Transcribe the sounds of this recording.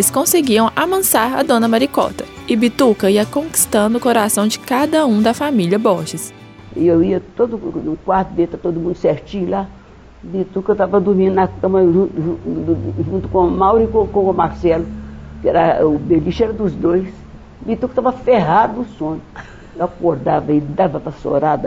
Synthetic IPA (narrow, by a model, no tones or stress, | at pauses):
lɪskõseɡiɐ̃w̃amɐ̃saɾɐ̰d̪õnɐmaɾikɔ̰t̪ɐ | ɪbit̪ukɐiɐkõki̥st̪ɐ̃nd̪ʊkoɾasɐ̃w̃d͡ʒɪkad̪ɐũd̪ɐfamiljɐbɔʒɪs | ɪewiɐt̪od̪ʊnʊkwaɾt̪ʊd̪et̪at̪od̪ʊmũnd̪ʊseɾt͡ʃĩɲʊla | bit̪ukɐt̪avɐd̪uɾmĩd̪unɐkɐ̃mɐũuʒũnt̪ukõmawɾikõkõkõmaɾsɛlukɛɾɐbeliʃɛɾɐd̪uzd̪ojs | bit̪ukɐt̪avɐfeɦad̪usõɲu | akoɾd̪avɐid̪avɐpɐso̰ɾad̪